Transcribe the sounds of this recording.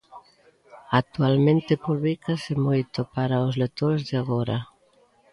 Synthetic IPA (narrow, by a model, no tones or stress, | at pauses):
ak̚t̪ualmẽnt̪epuβlikasemojt̪opaɾaozlek̚t̪oɾezðɪaɣoɾa